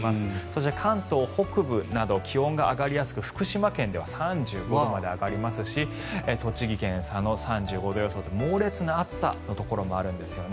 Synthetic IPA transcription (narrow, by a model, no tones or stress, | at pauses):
asɨ̥so̞ɕit̪e̞kʰãnt̪o̞ːho̞kɯ̟bɯ̟nad̪o̞kʲihõ̞ŋɡaʔːɡaɾʲijasɨ̥kɯ̟ɸɯ̟̥kɯ̟ɕimakẽ̞nd̪e̞βasãɲd͡ʑɨːɡo̞d̪omad̪e̞aɡaɾʲimasɨɕi | et̪o̞t͡ɕiɡʲikẽ̞ɰ̃sãno̞sãɲd͡ʑɨːɡo̞d̪o̞jo̞soːt̪ːemo̞ːɾe̞t͡sɨnaat͡sɨ̥sa̰no̞t̪o̞ko̞ɾo̞mo̞aɾɯ̟̃nd̪e̞sɨjo̞n